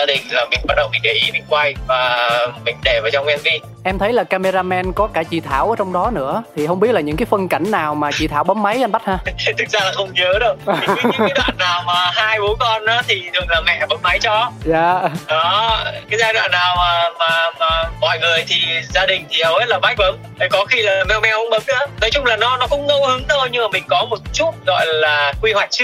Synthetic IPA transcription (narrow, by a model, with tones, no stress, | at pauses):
zaː˧ɗï˨˩ŋ̟laː˨˩mï˨˩ŋ̟ɓa˦˥t̚ɗə̰˨˩wŋ͡mmï˨˩ŋɗə̰˧˩ʔi˨˦mi˨˧˦ŋkwa˧jvaː˨˩mï˨˩ŋ̟ɗe˧˩əː˨˩t͡ɕɔ˧wŋ͡mʔɛ˧mki˧ | ʔɛ˧mt̪ʰə˨˦jlaː˨˩kaː˧me˧zaː˧mɛ˧nkɔ˨˦kaː˧˩t͡ɕḭ˧˩t̪ʰa̰ː˧˩wʔəː˨˦t͡ɕɔ˧wŋ͡mɗɔ˨˦nɨ̰˧˥ət̪ʰi˨˩hɦə˧wŋ͡mɓi˦˥ət̚laː˨ɲɨ̰˧˥ŋkaː˨˦jfə˧nka˧˩jŋ̟naː˨˩wmaː˨˩t͡ɕḭ˧˩t̪ʰaː˧˩wɓə˨˦˥ma˨˦jʔa˧nɓa˦˥t̚haː˧t̪ʰɨ˨˩k̚zaː˧laː˨˩xə˧wŋ͡mɲə˨˦ɗɨ˨˧ə˨˧˨ | wwa̰ː˧˨nːaː˨˩wmaː˨˩haː˧jɓu˨˦kɔ˧nʔa̰ː˨˦t̪ʰi˨˩ɗɨ˨˩ək̚laː˨˩mɛ̰˧˨ɓə˨˦k̚ma˨˦jt͡ɕɔ˧za̰ː˧˨ɗɔ˨˦kaː˨˦jzaː˧jɗwa̰ː˧˨nːaː˨˩wmaː˨˩maː˨˩maː˨˩mɔ̰˧˨jŋɨ˨˩əjt̪ʰi˨˩zaː˧ɗï˨˩ŋ̟t̪ʰi˨˩hə˧whe˦˥t̚laː˨˩ɓa˦jk̚və˨˦ | ə˨˦jkɔ˨˦xi˧lə˨˩mɛ˧wmɛ˧whə˧˦ŋ͡mɓə˨˦k̚ʔaː˨˦no˨˦jt͡ɕʊ˨˦˥ŋ͡mlaː˨˩nɔ˨˦nɔ˨˦kʊ̰˧˥wŋ͡mŋo˨˧˦hɨ˨˦ŋt̪ʰo˧jɲɨ˧ŋmaː˨˩mï˨˩ŋ̟kɔ˨˦mo˨˩t̚t͡ɕu˦˥t̚ɣɔ̰˧˨jlaː˨˩kwi˧hwa˨˩jk̟̚t͡ɕɨ˦˥